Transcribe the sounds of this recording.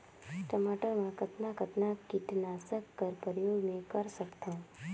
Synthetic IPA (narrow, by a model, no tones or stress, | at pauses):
ʈɐmaːʈəɾmãkɐt̪nakɐt̪nakit̪naːsəkːəɾpəɾəjoːɡmẽkɐɾsɐkt̪ã